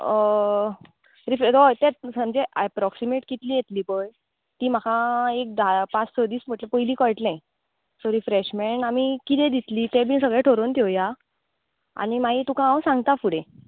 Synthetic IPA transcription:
ɾifd̪ojt̪ẽsəmd͡zeʔɛpɾɔksimeʈkit̪liːjet̪liːpəj | t̪iːm̤akʰaek̚d̪apat͡ssəd̪iːsm̤əʈləpəjliːkɔjʈnãj | soɾifɾeɕmeɳʈamikit̪ɛ̃d̪it̪liːt̪ẽbʱiːsəɡɭeʈʰoɾont̪joja | a̰ñimaɦit̪ũkʰããwsãŋɡt̪afuɽẽ

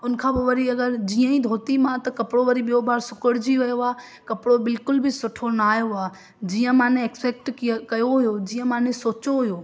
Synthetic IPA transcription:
ʊnkʰãːbɪʋɐɾiɐɡəɾd͡ʑiːə̃ĩd̪ʱoːt̪imãt̪ɐkɐpɽoʋɐɾiɓijobaːɾsʊkəɽd͡ʑiʋɐjoaː | kɐpɽobɪlkʊlbʱɪsʊʈʰonaːjoaː | d͡ʑiːə̃mãːnẽekspɛːk̚ʈkɐjoɦʊjod͡ʑiːə̃mãːnesoːt͡ɕoɦʊjoː

